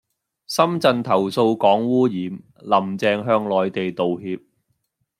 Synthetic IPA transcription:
sɐ˥mt͡sɐ˧nt̪ʰɐ˨˩wso˧wkɔː˨˥ŋwuː˥jiː˨m | lɐ˨˩mt͡sɛː˨˧ŋɦœː˧ŋlɔː˨jt̪e˨jt̪o˨wɦiː˧p̚

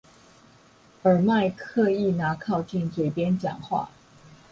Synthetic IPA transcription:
ə˞˨˩ma˥˧ɪkʰɤ˥˧i˥˩na˧˥kʰɑ˥˧ʊt͡ɕi˥˩ŋt͡swe˨˩ɪpjɛ˥nt͡ɕjɑ̰˨˩ŋxwa̰˥˩

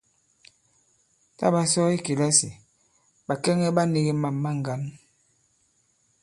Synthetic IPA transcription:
ta̰˦˨ba˨sɔ˦i˦ki˨la˦si˨ | ba˨kɛ˦ŋɛ˦ba˦ni˦ɣi˦ma˨mːa˦ŋ̩˨ɡa˦n

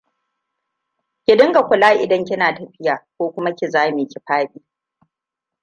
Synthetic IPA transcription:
kʲɪ˨dɪ˦ŋɡa˨kʷʊ˨laː˦ʔɪ˨dɐ˦ŋkʲɪ˦naː˨tɐ˨ɸɪ˦jaː˨kʷoː˦kʷʊ˦ma˦kʲɪ˨zaː˦me˨kʲɪ˨ɸaː˦ɓiː˦

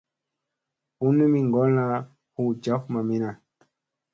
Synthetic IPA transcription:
hu˦nu˦mi˨ŋɡɔ˦la˦ | hu˨d͡ʒa˦fma˨mi˦na˨

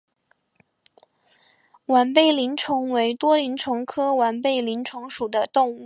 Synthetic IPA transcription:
wa˧˩npe˥˩ɪli˧˥nʈ͡ʂʰʊ˧˥ŋwe˧˥ɪt̪wɔ˥li˧˥nʈ͡ʂʰʊ˧˥ŋkʰɤ˥wa˧˥npe˥˩ɪli˧˥nʈ͡ʂʰʊ˧˥ŋʂu˨˩d̪ə˦t̪ʊ˥˧ŋu˥˩

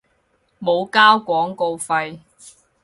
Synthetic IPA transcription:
mo˨˧wkaː˥wkʷɔː˨˥ŋko˧wfɐ˧j

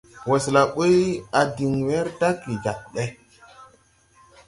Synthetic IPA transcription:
wo˨sla˨ɓo˦ja˨di˨ŋwe˦ɾda˦kɾi˨ɡa˨k̚ɓe˦

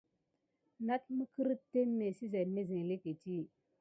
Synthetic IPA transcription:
na˦t̚mə˦kə˦ɾə˦tːe˦nː˦e˨si˦za˨ne˦zi˨ŋ˨le˦ke˨ti˦

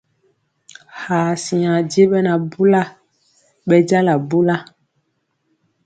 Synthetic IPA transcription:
haː˨si˨a˨di˦e˦ɓɛ˦na˨bu˦la˦ | ɓɛ˦d͡ʒa˦la˨bu˦la˦

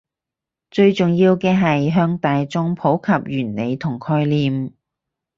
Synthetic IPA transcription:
t͡ʃɵ˧ɥt͡sʊ˨ŋjiː˧wkɛː˧ɦɐ˨jɦœː˧ŋt̪aː˨jt͡sʊ˥ŋpʰo˨˥wkʰɐ˨p̚jyː˨˩nle˨˧jt̪ʰʊ˨˩ŋkʰɔː˧jliː˨m

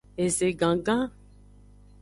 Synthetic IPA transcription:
e˨ze˨ɡã˨ɡã˦

